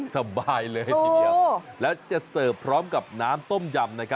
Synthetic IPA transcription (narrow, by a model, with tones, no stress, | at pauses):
sa˧baː˧jlɤː˧jo˦˧a˧˩lɛː˦˥wt͡ɕa˨˩sɤː˨˩ppʰɾɔː˦˥mka˨˩p̚naː˦˥mt̪o˥˩mja˧mna˦˥kʰa˦˥